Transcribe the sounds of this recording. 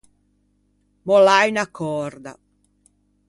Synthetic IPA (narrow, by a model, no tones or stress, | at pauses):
bɔlajnakʰːɔɾd̪a̰